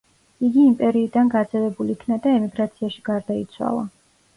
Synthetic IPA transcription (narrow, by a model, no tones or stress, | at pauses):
iɡiːmpʼɛɾiːd̪anɡad̪zɛvɛbulikʰnad̪aɛmiɡɾat̪sʰiaʃi̥ɡ̥aɾd̪ait̪sʰwa̰lˠa̰